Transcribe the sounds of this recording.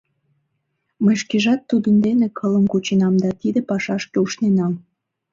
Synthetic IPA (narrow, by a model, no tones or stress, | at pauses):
məjʃkeʒɑt̪ːud̪ənd̪enekʰələmkut͡ɕənɑmd̪ɑt̪id̪epɑʃɑʃkeuʃnenɑm